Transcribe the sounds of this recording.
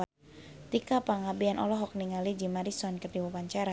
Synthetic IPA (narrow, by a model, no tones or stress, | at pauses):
t̪ikapaŋabianʔɔ̰lɔɦɔk̚niŋalid͡ʒimaɾisɔnkərdiwapaɲt͡ʃaɾa